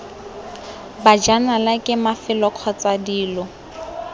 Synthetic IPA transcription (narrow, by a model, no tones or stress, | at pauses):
bad͡ʒanalakʼɪmafɪlɔkʰɔt͡sadiːlɔ